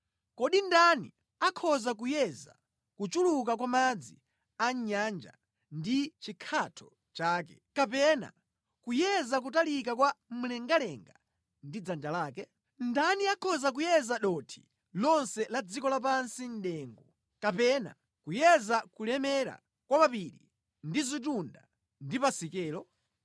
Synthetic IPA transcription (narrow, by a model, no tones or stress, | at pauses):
kɔɗindanḭ | akʰɔzak̬ujɛza̰ | kut͡ʃuluk̬ak̬wamad͡zḭ | aɲand͡ʒa̰ | ndit͡ʃikʰatʰɔ̥ | t͡ʃaːkɛ̥ | kapɛna̰ | kujɛzak̬utalik̬akwam̩lɛŋɡalɛŋɡa | ndid͡zand͡ʒalaːkɛ | ndaniakʰɔzak̬ujɛzaɗɔtʰi̥̰ | lɔnsɛlad͡zikɔlap̬ansin̩ɗɛːŋɡɔ | kapɛna̰ | kujɛzakulɛmɛɾa̰ | kwamapiɾḭ | ndizit̬unda | ndipasikɛːlɔ